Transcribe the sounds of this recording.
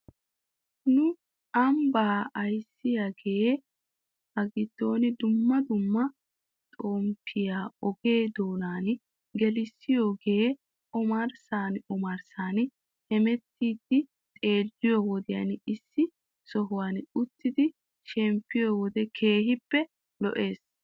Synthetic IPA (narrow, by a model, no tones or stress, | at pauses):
nʊ | ʔɐmbaːɐjsːɪjaɡeː | hɐɡɪd̪̥ːo̞ːnɪd̪ʊmːɐd̪ʊmːɐ | t̪ʼoːmpʰɪjaːɔɡe̞ːd̪o̞ːnaːn | ɡɛlɪsːɪjo̞ːɡe̞ː | ɔmɐɾsaːnɔmɐɾsaːn | hɛmɛt̪ʰːiːd̪ːɪ | t̪ʼe̞ːd͡ʒːɪjɔwɔd̪ɪja̰nɪsːɪ | sɔɦʊwaːnʊt̪ːɪd̪ɪ | ʃɛmpːɪjɔwɔd̪ɛkʰe̞ːɦɪpːɛ | lɔ̰ʔe̞ːs